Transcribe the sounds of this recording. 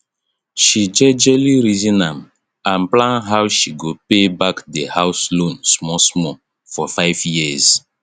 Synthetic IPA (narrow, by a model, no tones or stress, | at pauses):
ʃid͡ʒɛd͡ʒɛliɾizĩnãm | ãnplãnɦawʃiɡopebakdehaʊslõnsmɔsmɔ | fɔfaɪvjiz̥